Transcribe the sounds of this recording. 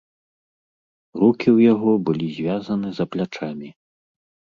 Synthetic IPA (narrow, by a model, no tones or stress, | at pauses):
rukʲiwjaɣɔbɨlʲizʲvʲazɐnɨzɐplʲat͡ʂamʲi